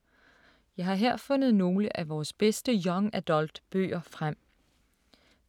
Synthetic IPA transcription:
jɑ̈ɪɦɑ̈ɦeɐ̰fɔ̽nð̩ˠno̝ːləʔæʋɒːsb̥esd̥əjɒ̽ŋæd̥ɒld̥b̥ø̰ːɐfʁam̰

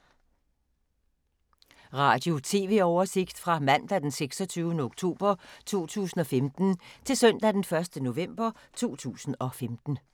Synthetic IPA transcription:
ʁɑ̰̈ːd̥jo̝t͡sʰe̝ːʋe̝ɒʊɐse̝ɡ̥d̥fʁɑ̈mæn̰d̥æd̥enseɡ̥sɒt͡sʰyːʊnəoɡ̥̚t͡sʰo̝̰ːb̥ɐt͡sʰo̝̰ːt͡sʰṵːsn̩ɒ̽femd̥n̩t͡sʰe̝lsœn̰d̥æd̥enfɶɐsd̥əno̝ʋem̰b̥ɐ | t͡sʰo̝̰ːt͡sʰṵːsn̩ɒ̽femd̥n̩

